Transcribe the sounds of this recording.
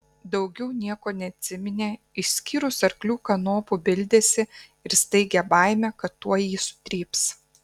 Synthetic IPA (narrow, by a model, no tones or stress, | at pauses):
d̪ɒʊɡʲɛʊnʲiɛkoːnʲɛɐt̪ʲsʲɪmʲɪnʲeː | ɪʃsʲkʲiːɾʊsɐɾklʲuːkɐnoːpubʲɪlʲd̪ʲeːsʲɪ | ɪɾsʲt̪ɐɪɡʲɛbɐˑɪmʲɛkɐt̪ːuɔjiːsʊ̥t̪ʲɾʲiːps